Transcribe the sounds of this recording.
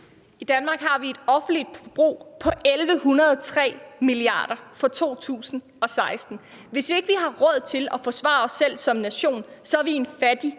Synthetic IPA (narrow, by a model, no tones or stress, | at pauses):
id̥ænmɑ̈ːɡ̥ɦɑ̈ʋie̝d̥ɒ̽fn̩l̥id̥̚b̥ʁo̝̰ːpʰɒ̽ʔelʋəhunɐðˠt͡sʰʁɛ̰ːmiliɑ̰̈ːɾ̥ɐfɒ̽t͡sʰo̝̰ːt͡sʰṵːsn̩ | ɒ̽sɑ̈ɪsd̥n̩ | ʋe̝sʋie̝ɡ̥əʋiɦɑ̈ʁɒð̞̰ˠt͡sʰe̝lɒ̽fɒ̽sʋɑ̰̈ːɒ̽sːel̰sɒ̽mnæɕo̝̰ːnsɒæʋie̝nfæd̥i